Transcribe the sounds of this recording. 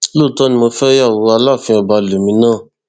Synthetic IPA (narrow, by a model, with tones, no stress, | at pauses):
lo˦˨tɔ˨˦nĩ˧mo˧fɛ˦ja˦˨wo˧˦a˧la˦˨fĩ˧ɔ˧ba˧lo˨mĩ˧˦nãː˦˨